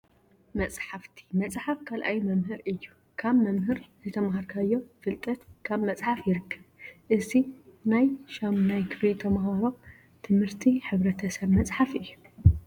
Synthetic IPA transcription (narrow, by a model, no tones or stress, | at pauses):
mɐt͡sʼħaft̪ʰi̥mɐt͡sʼħafkʰalʔajmɐmɦɨɾʔɨjːu | kʰaβmɐmɦɨɾzɨt̪ʰɐmɦaɾkʰajːo̞fɨlt̪ʼɐt̪kʰaβmɐt͡sʼħafjɪɾɨkʰːɐβʔɨzinajʃamnajkʰɨflit̪ʰɐmɦaɾo̞ | t̪ʰɨmhɨɾt̪ʰiħɨβɾɐt̪ʰɐsɐβmɐt͡sʼħafʔɨjːu